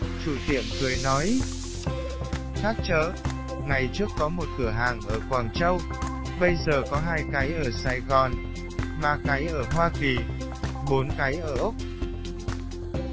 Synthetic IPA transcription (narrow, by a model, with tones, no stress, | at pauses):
t͡ɕu˧˩t̪ḭ˧˩˨əmkɨ˨˩əjnɔ˨˦j | xaː˦˥t̚t͡ɕəː˧˨˥ | ŋa˨˩jt͡ɕɨ˦˥ək̚kɔ˨˦mo˨˩t̚kɨ˧˩əɦaː˨˩ŋʔəː˧˩kwaː˨˩ŋt͡ɕə˧w | ɓə˧jzəː˨˩kɔ˨˦ɦaː˧jka˨˦jʔəː˧˩saː˧˩jɣɔ˨˩n | maː˨˩ka˨˦jʔəː˧˩ɦwaː˧ki˨˩ | ɓo˨˦nka˨˦jʔəː˧˩ʔʊ˦˥k͡p̚